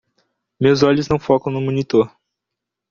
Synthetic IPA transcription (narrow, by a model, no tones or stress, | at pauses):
mewzɔʎʊznɐ̃w̃fɔkɐ̃w̃nʊmõnit̪oɾ